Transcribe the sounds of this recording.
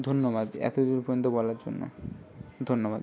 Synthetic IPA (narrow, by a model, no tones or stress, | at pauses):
d̪ʱonːobad̪ɛ̰t̪od̪inpoont̪̬obɔlaɾd͡ʑo̰nːo̰d̪ʱonːobad̪